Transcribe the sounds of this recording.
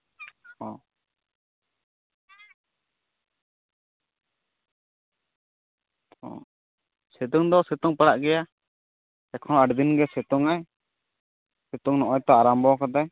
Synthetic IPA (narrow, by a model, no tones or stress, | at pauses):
ɔ | ɔ̰ | sɛt̪uŋd̪ɔsɛt̪uŋpaɽaʔɡɛja | ɛkʰɔnaɖd̪inɡɛsɛt̪uŋaj | sɛt̪uŋnɔʔɔjt̪ɔaɾambɔkad̪aj